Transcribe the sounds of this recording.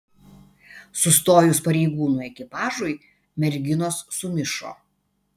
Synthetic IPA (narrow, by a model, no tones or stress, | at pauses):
sʊst̪oːjʊspɐɾʲɛɪɡuːnuːɛkʲɪpɑːʒʊɪ | mʲɛɾʲɡʲɪnoːsːʊmʲɪʃo̰ː